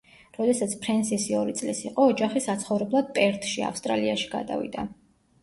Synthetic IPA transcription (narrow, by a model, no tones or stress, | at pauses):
ɾɔd̪ɛsat̪sʰpʰɾɛnsisiɔɾit̪sʼlisiqʼɔːd͡ʒaχisat̪sʰχɔvɾɛblˠad̪̥̚pʼɛɾt̪ʰʃia̰fst̪ʼɾaliaʃi̥ɡ̥a̰d̪a̰vḭd̪a̰